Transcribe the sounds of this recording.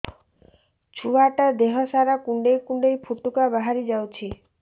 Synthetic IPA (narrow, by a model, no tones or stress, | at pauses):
t͡ʃʰuaʈad̪eɦɔsaɾakuɳɖejkuɳɖejpʰuʈːukabaɦaɾid͡ʒawt͡ʃʰi